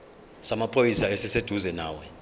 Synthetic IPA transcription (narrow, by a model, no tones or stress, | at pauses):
samapʰʼojisaɛsɛsed̥ʱuzɛna̰ːwɛ